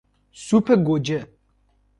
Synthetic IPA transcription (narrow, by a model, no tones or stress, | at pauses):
supʰɛɡod͡ʒɛ